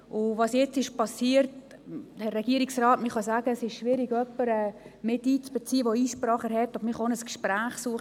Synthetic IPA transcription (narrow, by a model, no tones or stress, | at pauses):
ʊvɑːsjɛt͡sɪʃpɑsiːərt | hɛrːɛɡ̥iəɾiksrɑːtmɪχɑsaːɡəsɪʃʃʋɪɾiɡœpːəɾɛmɪtiːt͡sb̥ət͡siːəʋoiːʃprɑːχəɾɦhɛt̪ːɑbmɪχɑonəskʃpɾaːχsuːəχ